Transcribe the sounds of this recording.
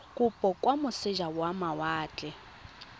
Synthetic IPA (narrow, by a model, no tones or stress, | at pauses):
kʼʊpʼɔkʼwamʊsɪʒawamawaːt͡ɬʼɛ